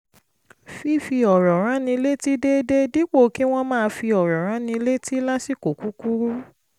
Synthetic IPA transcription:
fi˦fi˧ɔ˨ɾɔ˨ɾ̃ã˨˦nĩ˧le˦ti˦de˦de˦di˦k͡po˦˨ki˦w̃ɔ̃˦mãː˦˧fi˧ɔ˨ɾɔ˨ɾ̃ã˨˦nĩ˧le˦ti˦la˦si˦˨ko˨ku˨˦ku˦ɾu˦

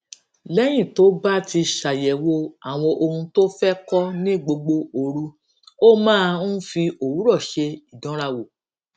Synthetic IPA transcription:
lɛ˦j̃ĩ˦˨to˨˦ba˦ti˧ʃa˨jɛ˨wo˧a˨w̃ɔ̃˧ʔo˧hũ˧to˦fɛ˦kɔ˦nĩ˦ɡ͡bo˧ɡ͡bo˧o˨ɾu˧˦ | o˦mãː˦n̩˦fi˧o˨wu˨˦ɾɔ˦˨ʃe˧i˨dɔ̃˨˦ɾa˧wo˨

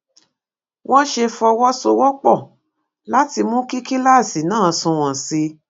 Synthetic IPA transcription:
wʔɔ̃˦ʃe˧fɔ˧wɔ˦so˧wɔ˦k͡pɔ˦˨ | la˦ti˧mũ˦ki˦ki˦la˦˨si˨nãː˦˨sũ˧w̃ɔ̃˨si˧

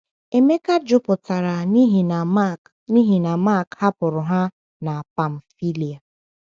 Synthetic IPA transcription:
e˨me˦ka˦d͡ʒʊ˦pʊ˨ta˨ɾa˨ni˦ɦi˨n˨˦ | ni˦ɦi˨na˨ma˦˨kha˦pʊ˨ɾʊ˨ɦa˦ | na˨pa˨m̩˨fi˦li˨a˨

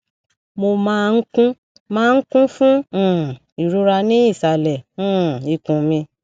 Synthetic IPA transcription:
mo˧mãː˦˧n̩˦kũ˦ | mãː˦n̩˦kũ˦fũ˦˨ | i˨ɾu˦ɾa˧nĩ˦i˦˨sa˨lɛ̃˨˦˨i˨kũ˨mĩ˧

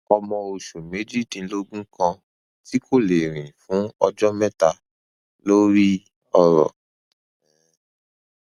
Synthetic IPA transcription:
ɔ˧mɔ̃˧o˧ʃo˨me˨˦d͡ʒi˦˨dĩ˧˦lo˦ɡũ˦kã˧ | ti˦kʰo˦˨le˨ɾ̃ĩ˨fũ˨˦ɔ˧d͡ʒɔ˦mɛ˦ta˧ | lo˦ɾi˦ | ɔ˧ɾɔ̰˨

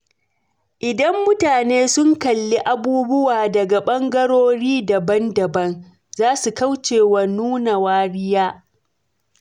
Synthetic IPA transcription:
ʔɪ˨dɐ˦mːʊ˦taː˨neː˦sʊ˦ŋkɐ˨lːi˦ʔa˦buː˦bʊ˦waː˨dɐ˨ɡa˨ɓɐ˦ŋɡɐ˦ɽoː˦ɽiː˦dɐ˨bɐ˦ndɐ˨bɐ˦n | zaː˦su˨ka˦wt͡ʃeː˨wɐ˦nuː˦na˨waː˦ɾɪ˦jaː˦

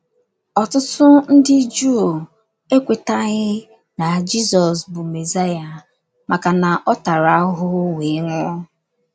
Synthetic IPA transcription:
ɔ˨tʊ˦tʰʊ˦n̩˦dɪ˦d͡ʒu˦˨ | e˦kʷe˨ta˦ɲɪ˦ | na˨d͡ʒi˦zɔ˨sbʊ˨me˨za˦ja˨ | ma˨ka˨na˨ʔɔ˦ta˨ɾa˨˦ɦʊ˦we˨˦ŋʷɔ˦

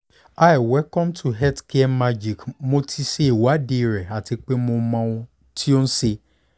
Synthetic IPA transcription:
a˨jwɛ˦kɔ̃˦mtʰu˨ɦɛ˦tkɛ˦ɛ˦ma˦d͡ʒi˨kmõ˧tʰi˦se˦i˨wa˨˦de˧˨ɾɛ˨a˨ti˧k͡pe˦mõ˧mã˧õ˧ | tʰi˦o˦n̩˦se˧

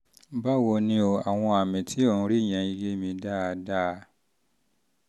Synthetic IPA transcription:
ba˦˨wo˧nĩ˧o˨a˨w̃ɔ̃˧a˨mĩ˨tʰi˨˦o˦˨ũ˧ɾi˦˨j̃ɛ̃˧˦i˧ɾi˦e˦mĩ˧da˦˧da˦˨˧

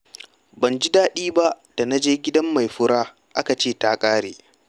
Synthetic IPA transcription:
bɐ˨nd͡ʒi˦daː˦ɗiː˦ba˦ʔ | d̥a˨na˦d͡ʒeː˦ɡʲɪ˦dɐ˦mːa˨jɸʊ˦ɽaː˦ | ʔa˦ka˨t͡ʃeː˦˨taː˦kʼaː˦ɽḛː˨

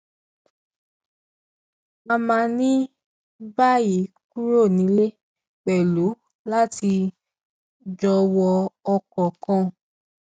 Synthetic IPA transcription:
mã˧mãː˧˦nĩ˦ | ba˦ji˨˦ku˦ɾo˦˨nĩ˨˦le˦ | k͡pɛ˨lu˨˦ | la˦ti˧ | d͡ʒɔ˧wɔ˧ɔ˧kɔ˨kã˦˨

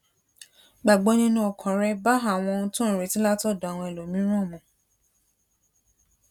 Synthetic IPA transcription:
ɡ͡ba˨ɡ͡bɔ˧˦nĩ˦nũ˧ɔ˨kʰã˨ɾɛ˧ba˦ɦa˦˨w̃ɔ̃˧ũ˧˦tũ˦ñ̩˨ɾe˨tĩ˦la˦tɔ˦˨dɔ˨a˨w̃ɔ̃˧ɛ˨lo˨mĩ˨˦ɾ̃ɔ̃˦˨mɔ̃˨

